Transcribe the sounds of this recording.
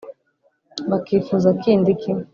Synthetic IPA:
bakifuzakindikʰi

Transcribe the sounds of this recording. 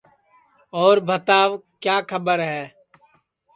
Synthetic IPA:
ɔːɾbʱət̪aːʋkjaːkʰəbəɾɦɛː

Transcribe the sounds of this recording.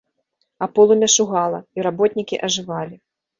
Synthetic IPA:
apɔlˠumʲɛʂuɣalˠɐiɾabɔt̪ʲnʲikʲiʔɐʐɨvalʲi

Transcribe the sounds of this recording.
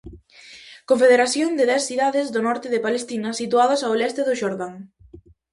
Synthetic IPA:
kõɱfeðeɾaθjond̪eðɛsθiðaðɪzðʊnɔɾt̪ɪðepalest̪inɐsit̪uaðɐsawlɛst̪eðʊʃoɾðaŋ

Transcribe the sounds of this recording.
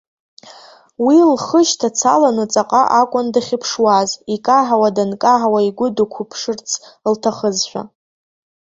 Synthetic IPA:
wilχəʃtʰat͡sʰalanɨt͡sʼaqʼaʔakʷʼʊndaχʲɪpʰʂwazikʼaħawadankʼaʕawaiɡʷʊdukʷʰupʰʂɨrt͡sʰltʰaχəzʃʷᶣa̰

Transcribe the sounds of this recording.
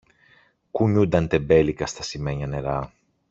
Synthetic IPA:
kuɲud̪ɐnt̪e̞be̞likɐst̪ɐsimeɲɐne̞ɾɐ

